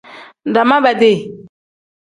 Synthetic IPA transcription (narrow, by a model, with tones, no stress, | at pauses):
ɖa˨mã˦bɛ˨d̪e˨